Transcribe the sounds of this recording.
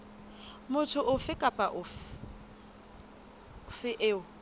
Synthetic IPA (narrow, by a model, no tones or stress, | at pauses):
mʊtʰʊʔʊfɪkʼapʼaʔʊ | fɪʔeːʊ